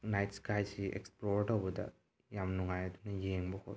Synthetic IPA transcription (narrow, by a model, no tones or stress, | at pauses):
najtskajsiḛkspɾoɾʈobɐd̪ɐ̰ | jamnuŋajɐd̪unɐjeːŋbokʰo̰